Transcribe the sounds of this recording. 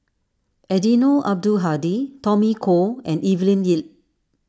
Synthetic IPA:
ɛdinoʔa̰b̚duɦaditɔmikʰoɛ̃nivlĩnjil̚

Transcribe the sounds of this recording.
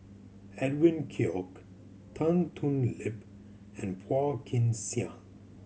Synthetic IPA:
ɛdwɪ̃nkʰiɔk | tʰãntʰũnlɪp | ɛ̃npʰɔkʰɪ̃nsiã

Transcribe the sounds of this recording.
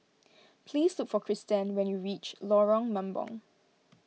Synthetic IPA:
pʰliːslʊkfɔkʰɹistə̃nwɛ̃njuɹit͡ʃlɔɹɔ̃ŋmãmbɔ̰̃ŋ

